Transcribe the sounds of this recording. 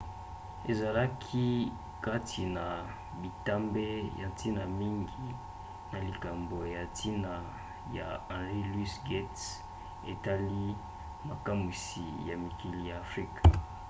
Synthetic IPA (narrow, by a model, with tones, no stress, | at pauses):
e˨za˨la˦kʰi˦ | ka˦ti˨na˨ | bi˨ta˦mbe˦ja˨ti˦na˨mi˦ŋɡi˨ | na˨li˨ka˨mbo˨ja˨ti˦na˨ | ja˨ã˨ʁi˦lwi˦sɡɛ˦ts | e˨ta˦li˦ | ma˨ka˦mu˨si˨ja˨mi˨ki˦li˨ja˨fɾi˦kḁ